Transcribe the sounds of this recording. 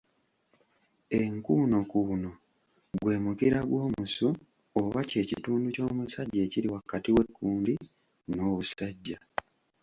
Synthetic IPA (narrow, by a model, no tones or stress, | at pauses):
eŋkuːno̞kuːno̞ | ɡwe̞ːmukiɾaɡwo̞ːmusu | oβace̞ːcituːnduco̞ːmusaɟːe̞ːciɾiwakːatiwe̞kʰːuːndi | no̞ːβusaɟːa